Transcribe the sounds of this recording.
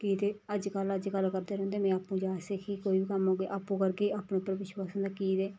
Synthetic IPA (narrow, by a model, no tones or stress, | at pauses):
kiːd̪eːəd͡ʒkələd͡ʒkəlkəɾd̪eːɾõːnd̪eːmɛ̃ːaːpːũːd͡ʒaːseːkʰikoːiːbiːkəmɦoːɡeːʔaːpũːkəɾɡeːaːpɳeːʊpːəɾʋɪʃwaːsʊ̃nd̪aːkiːd̪eː